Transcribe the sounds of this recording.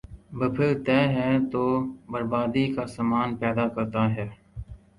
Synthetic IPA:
bəpʰɪɾt̪ɛːɦɛːt̪oːbəɾbaːd̪iːkaːsamaːnpɛːd̪aːkəɾt̪aːɦɛː

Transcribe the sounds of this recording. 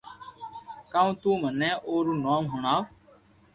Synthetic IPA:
kaːũːt̪ũːmənɛ̃ːʔoːɾuːnaːmɦʊɳaː

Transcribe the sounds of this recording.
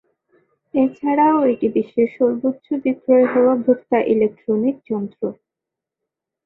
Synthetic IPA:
et͡ɕʰaɽaoeʈibiʃːeʃɔɾbot̪ːɕod̪it̪oeɦooabʱukt̪aʔilek̚ʈɾonik̚d͡ʑɔnd̪ɾo

